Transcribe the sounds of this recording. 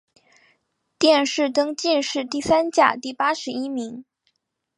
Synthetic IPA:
t̪jɛ˥˧nʂɻ̩˥˩t̪ɤ˥ŋt͡ɕi˥˧nʂɻ̩˥˧t̪i˥˩sa˥nt͡ɕja̰˨˩t̪i˥˩pa˥ʂɻ̩˧˥i˥mi˧˥ŋ

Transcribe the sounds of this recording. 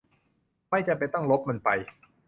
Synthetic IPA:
ma˥˩jt͡ɕa˨˩pa˧jt̪ɔ˥˩ŋlo˦˥p̚ma˧npa˧j

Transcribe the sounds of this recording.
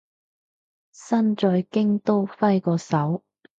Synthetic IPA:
sɐ˥nt͡ʃɔː˧jkɪ˥ŋt̪o˥wfɐ˥jkɔː˧sɐ˨˥w

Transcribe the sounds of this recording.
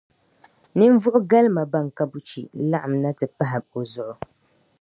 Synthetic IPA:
nɨ˦ɱ˦vʊ˦ʔʊ˦ɡa˦lma˨ba˦ŋ˨ka˦bu˦t͡ʃḭ˨la˦ʔa˨mna˦tɨ˨pa˦ɦɪ˨bo˨zʊ˨ʔʊ˨

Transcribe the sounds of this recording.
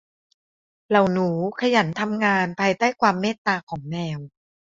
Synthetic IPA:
la˨˩wnuː˩˦kʰa˧ja˩˦nt̪ʰa˧mŋaː˧npʰaː˧jt̪aː˥˩jkʰwaː˧mːeː˥˩t̪ːaː˧kʰɔː˩˦ŋnɛː˧w

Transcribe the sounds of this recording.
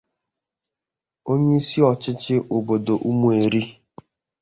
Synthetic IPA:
o˦ɲe˦i˦si˦ɔ˨t͡ʃɪ˦t͡ʃɪ˦ʔo˨bo˨do˨ʔu˦mu˦e˨ɾi˦

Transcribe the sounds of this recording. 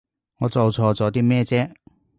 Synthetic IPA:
ŋɔː˨˧t͡so˨wt͡sʰɔː˧t͡sɔː˨˥t̪̬iː˥mɛː˥˧t͡sɛː˥

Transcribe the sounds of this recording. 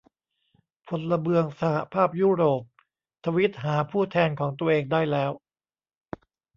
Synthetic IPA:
pʰo˧nla˧bɯ˧əŋsa˧ha˨pʰaː˥˩p̚juː˥˩ɾoː˨˩p̚ | t̪ʰa˧wi˦˥t̪̚ɦaː˩˦pʰuː˥˩t̪ʰɛː˧nkʰɔː˩˦ŋt̪u˧əʔeː˧ŋdaː˥˩jlɛː˦˥w

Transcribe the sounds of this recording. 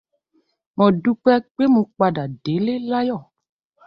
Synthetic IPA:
mɔ̃˨ɖu˦k͡pɛ˦k͡pe˦mũ˨k͡pa˨ɖa˨ɖe˨˦le˦la˦jɔ˦˨

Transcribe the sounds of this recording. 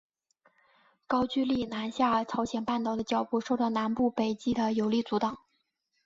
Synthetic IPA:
kɑ˥ʊt͡ɕy˥li˥˩na˧˥nɕja˥˩t͡sʰɑ˧˥ʊɕjɛ˨˩npa˥˩nt̪ɑ˨˩ʊd̪ə˦t͡ɕjɑ˨˩ʊpu˥˧ʂo˥˧ʊt̪ɑ˥˩ʊna˧˥npu˥˩pe˨˩ɪt͡ɕi˥d̪ə˨jo˧˥ʊli˥˩t͡su˧˥t̪ɑ˨˩˦ŋ

